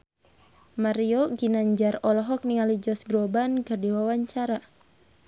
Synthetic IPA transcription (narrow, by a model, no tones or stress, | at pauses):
maɾioɡinaɲd͡ʒarɔlɔɦɔk̚niŋalid͡ʒɔsɡɾɔbankɨrdiwawaɲt͡ʃaɾa